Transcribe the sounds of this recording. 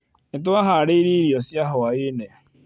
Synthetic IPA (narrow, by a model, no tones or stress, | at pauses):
n̩t̬ʊaɦaaɾiɾiɾjosjaɦʊwaɪne